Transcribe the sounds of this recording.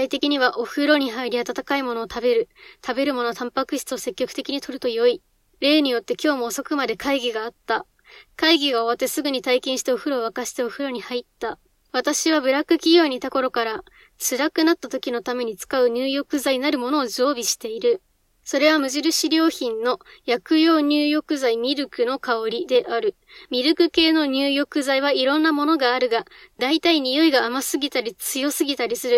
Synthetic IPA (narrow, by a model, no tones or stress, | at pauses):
ait̪e̞kʲiɲ̟iβaʔo̞hɯ̟ɾo̞ɲ̟iɦaiɾʲiat̪at̪akaimo̞no̞ːt̪abe̞ɾɯ̟t̪ʰabe̞ɾɯ̟mo̞no̞t̪ãmpakɯ̟ɕi̥t͡sɨose̞kʲːo̞kɯ̟t̪e̞kʲiɲ̟it̪o̞ɾɯ̟t̪o̞jo̞i | ɾe̞ːɲ̟ijo̞t̪ːe̞kʲo̞ːmo̞ːso̞kɯ̟mad̪e̞kʰaiɡʲiɡaːt̪ːa | kaiɡʲiɡao̞βat̪ːe̞sɨɡɯ̟ɲ̟it̪aikẽɕi̥t̪eo̞ɸɯ̟ɾo̞ːβakaɕi̥t̪e̞o̞ɸɯ̟ɾo̞ɲ̟ihait̪ːa | β̞at̪aɕiβabɯ̟ɾakɯ̟kʲijʲo̞ːɲ̟it̪ako̞ɾo̞kaɾa | t͡sɨɾakɯ̟nat̪ːat̪o̞kʲino̞t̪ame̞ɲ̟it͡sɨ̥kaɯ̟ɲ̟ɨːjo̞kɯ̟zainaɾɯ̟mo̞no̞ːd͡ʑo̞ːbʲiɕi̥t̪e̞iɾɯ̟ | so̞ɾe̞β̞amɯ̟ʑiɾɯ̟ɕiɾʲo̞ːçĩnno̞jakɯ̟jo̞ːɲ̟ʲɨːjo̞kɯ̟zaimʲiɾɯ̟kɯ̟no̞kaoɾʲid̪e̞ʔaɾɯ̟ | mʲiɾɯ̟kɯ̟ke̞ːno̞ɲ̟ʲɨːjo̞kɯ̟zaiβ̞aiɾõ̞nːamo̞no̞ɡaːɾɯ̟ɡad̪ait̪aiɲ̟ijo̞iɡaːmasɨɡʲit̪aɾʲit͡sɨjo̞sɨɡʲit̪aɾʲisɨɾɯ̟